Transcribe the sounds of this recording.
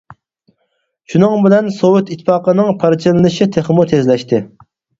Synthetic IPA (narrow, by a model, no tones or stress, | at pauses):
ʃunɨŋbɪlɛnsowʊt̪it̪ʰːɪ̥pɑːqənɨŋpʰɑɾt͡ʃʰilɨlɨʃit̪ʰeχmut̪ʰezlɛʃt̪ʰɪ